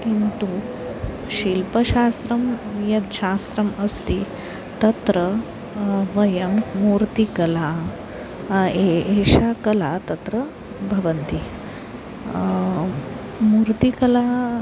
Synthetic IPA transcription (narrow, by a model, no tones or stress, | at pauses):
kint̪u | ɕilpəɕast̪ɾɐmjɐt̪ɕast̪ɾɐmɐst̪i | t̪ɐt̪ɾə | ʋɐjɐmːuːɾt̪ikɐla | eeɕakɐlat̪ɐt̪ɾə | bʱɐʋənt̪i | muːɾt̪ikɐla